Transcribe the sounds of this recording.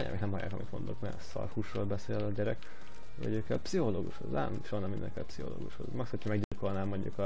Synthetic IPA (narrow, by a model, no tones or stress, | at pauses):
aɲa̰miknɛmhɒjaːkɒmit̪mo̞̰nd̪okmɛsɒ̰rhuːʃroːlbɛseːlɒɟɛɾɛk | ɒ̰ɟøːkɛlpsiholoːɡuʃho̰zaːmʃoɒnɛmind̪ɛŋkɛ̰lpsiho̞̰lo̰ːɡuʃho̰zmɒksochɒmɛɡɟilko̞lnaːmːoɲɟṵkɒ